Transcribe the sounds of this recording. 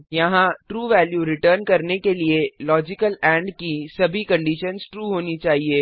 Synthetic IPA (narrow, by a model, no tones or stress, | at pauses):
jɐɦãʈɾuːʋɛːljuɾɪʈəɾnkɐɾnekelielɔːd͡ʒɪkəlɛ̃ːɳɖkisɐbʱikɐ̃ɳɖiʃənzʈɾuːɦoːnit͡ʃaːɦieː